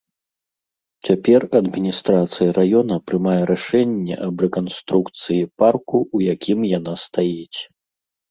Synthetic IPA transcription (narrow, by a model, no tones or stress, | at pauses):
t͡sʲapʲɛrɐd̪mʲinʲist̪ɾat̪sɨjɐɾajɔnɐpɾɨmajɛɾaʂɛnʲːɛ̰ʔɐbrɛkɔnst̪ɾukt̪sɨjiparkuːjakʲimjanast̪ajɛt͡sʲ